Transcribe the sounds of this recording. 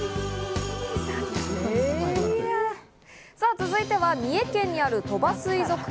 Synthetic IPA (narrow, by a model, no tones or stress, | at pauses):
e | saːt͡sɨzɨit̪e̞βamʲie̞kẽ̞ɲ̟ːiaɾɯ̟t̪o̞basɨizo̞kɯ̟̥